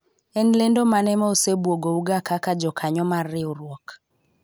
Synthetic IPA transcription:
ɛnlendomanɛmɔosebwoɡouɡakakad͡ʒɔkʰaɲɔmarɪuɾwɔk

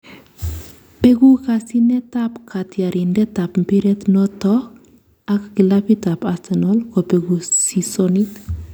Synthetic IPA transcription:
peɡukasinɛtapkʰatjaɾindɛtapmpiɾɛt̪nɔtɔ | akkilapitapasenɔlkopeɡusisonit̪

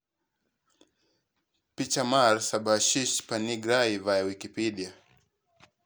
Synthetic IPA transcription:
pit͡ʃamaɾsabaʃiʃpaniɡɾaivajawikipiɗia

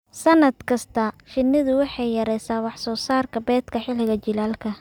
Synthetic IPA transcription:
sɐnɐd̪kʰɐst̪ʰɐʃɪnːɪðʊwɑħɑjːɐɾɛjsaːwɑħsɔːsaːrkʰɐbɛːd̪kʰɐħɪlɪɣɐt͡ʃɪlaːlkʰɐ

